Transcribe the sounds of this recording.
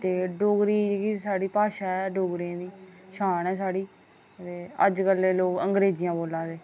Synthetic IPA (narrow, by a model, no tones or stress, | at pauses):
t̪eːɖoːɡɾiːekisaːɖiːpaːʃaːɛːɖoːɡɾãːd̪iːʃʰaːnɛːsaːɽiː | t̪eːə̰d͡ʒkəleːloːkəŋɡɾeːd͡ʒɪjãːboːlãːd̪eː